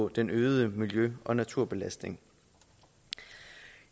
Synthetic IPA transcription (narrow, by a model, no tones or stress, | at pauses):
ɔ̽d̥enøːð̞̩ˠəmiljøɒ̽næt͡sʰuɐ̰b̥e̝læsd̥ne̝ŋ